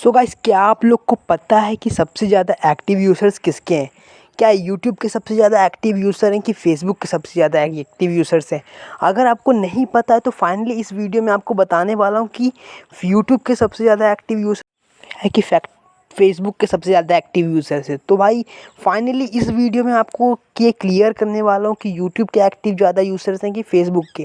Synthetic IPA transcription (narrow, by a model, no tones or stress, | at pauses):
soːɡaːɪskaaːploːɡ̚kopɐt̪aɦɛkisɐbsezjaːd̪aʔɛːkʈɪʋjuːzəɾzkɪskeɦɛ̃ː | kjaːjuːʈjuːb̚kesɐbsezjaːd̪aɛːkʈɪʋjuːzəɾɦɛ̃kifeːs̬bʊkːesɐbsezjaːd̪aɛːɛːk̚ʈɪʋjuːzəɾzɦɛ̃ːɐɡəɾaːp̚konɐɦĩpɐt̪aɦɛt̪ofaːɪnəliɪsʋiːɖijomẽaːp̚kobɐt̪aːneʋaːlaɦũkijuːʈjuːb̚kesɐbsezjaːd̪aɛːkʈɪʋjuːz | ɦɛ̃ːkifɛk | feːs̬bʊkːesɐbsezjaːd̪aɛːk̚ʈɪʋjuːzəɾzɦɛ̃ːt̪obʱaːifaːɪnəliʔɪsʋiːɖijomẽaːpkokieklijəɾkɐɾneʋaːlaɦũkijuːʈjuːbkeɛːkʈɪʋzjaːd̪ajuːzəɾsɦɛ̃k̬ifeːsbʊkːeː